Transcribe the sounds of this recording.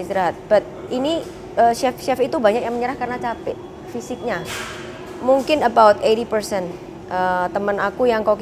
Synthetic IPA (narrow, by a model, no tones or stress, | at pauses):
sd̪ɾaɦat̪̚b̥at̪̚ini | əːʃɛfʃɛfit̪ubaɲak̚jaŋməɲəɾahkarnat͡ʃapɪ̰ʔ | fisɪk̚ɲa | muŋkɪnəbawt̪eɾipərsɛn | ʔət̪əmənakujaŋkawk